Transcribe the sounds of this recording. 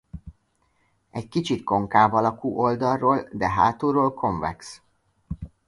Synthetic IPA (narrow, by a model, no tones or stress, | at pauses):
ɛckit͡ʃit̪ko̞ŋkaːbɒlɒkuːʔo̞ld̪ɒrːoːld̪ɛɦa̰ːt̪oːɾoːlkʰo̞ɱvɛ̰ks